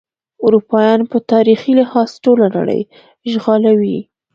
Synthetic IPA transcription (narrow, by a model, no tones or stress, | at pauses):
ʊɾupɑjɑnpət̪ɑɾixilɪhɑzʈolana̰ɽə̰j | ʒɣɑlawi